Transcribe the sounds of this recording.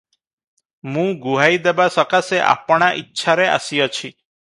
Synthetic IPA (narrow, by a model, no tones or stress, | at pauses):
mũɡuɦajd̪ebasɔkaseʔa̰pɽ̃aʔitːʃʰaɾea̰sijɔt͡ʃʰi